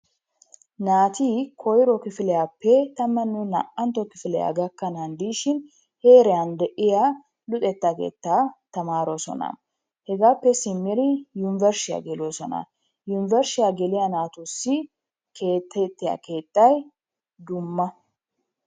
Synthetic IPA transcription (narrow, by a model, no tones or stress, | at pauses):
naːt̪iːkʰɔjɾɔkɪfɪlɛjapːɛt̪ɐmːɐnːʊnɐ̰ʔɐnt̪ɔkɪfɪlɛja̰ɡɐkːɐnɐnd̪iːʃɪn | he̞ːɾɛjɐnd̪ɛʔɪja | lʊt̪ʼɛt̪ːakḛːt̪ːat̪ɐmaːɾosɔ̰nɐ̰ | hɛɡaːpːɛsɪmːɪɾɪjʊnɪvɛɾsɪja̰ɡɛlosɔnɐ̰ | jʊnɪvɛɾsɪjaɡɛlɪjanaːt̪usːɪ | kʰe̞ːt̪ːɛt̪ːɪja̰ke̞ːt̪ʼːɐj | d̪ʊmːɐ